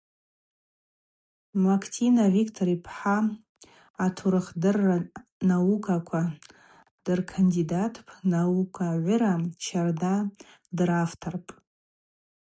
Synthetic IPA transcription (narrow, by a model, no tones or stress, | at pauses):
makʰtʰinaʕikʰtʰoɾipʰħaː | tʰuɾɨχdɨranaukʰakʷʰa | d̥ɨrkʰandidatʰpʰnaukʷʰaʕʷʊɾat͡ʃʰarda | draftʰarpʼ